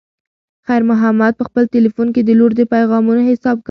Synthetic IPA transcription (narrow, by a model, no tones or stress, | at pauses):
xajɾmʊɦamːad̪̚pəxpəlt̪elifunked̪əloɾd̪əpajɣɑmunohɪsɑb̚k